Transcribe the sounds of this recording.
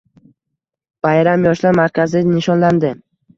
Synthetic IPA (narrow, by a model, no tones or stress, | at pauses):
b̥ajɾamjɒʃlaɾmaɾkʲʰazɪnɪʃɒnland̪ɪ